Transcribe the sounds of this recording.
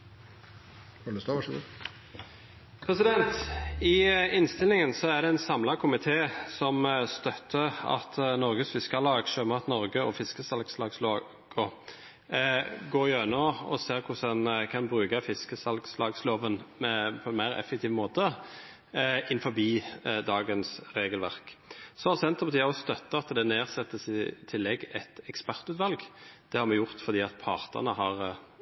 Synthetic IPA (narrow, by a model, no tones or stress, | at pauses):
ɔləst̪oːʋɑʂəɡṵːd̪ | pʰɾɛsɪd̪ɛnt̪ɪɪnst̪ɪlɪŋənsɔæd̪ɛɛnsɑmlɑkʰʊmɪt̪ʰeːsɔmst̪œt̪ʰːəɑ̰t̪nɔɾɡəsfɪskɑlɑːɡʃøːməɑt̪nɔɾɡəɔfɪskəsɑlɡslɑːɡsloː | ɡ̥ɔ | ɡoːɾɪøːnɔɔ̰seːɾkʰʊsɛnkʰɑnbɾʉːkɑfɪskəsɑlɡslɑːɡsloːʋənmɛpʰɔɛnmæɪɾɛ̰fːɛk̚t̪ʰiːʋmoːt̪ə | ɪnfɔɾbiːd̪ɑːɡənsɾeːɡəlʋæʁksɔɑsɛnt̪ʁəpɑt̪ʰiːəɔst̪œt̪ːəɑt̪ːd̪ɛneːʁsɛt̪ːəsɪt̪ʰɪlːɛɡɛt̪ɛkspæʁt̪ʉːt̪ʋɑlɡd̪̥ɛhɑɾmɛjʊʁt̪fɔʁd̪iːɑt̪pʰɑʁt̪ʰə̰nəɦɑʁ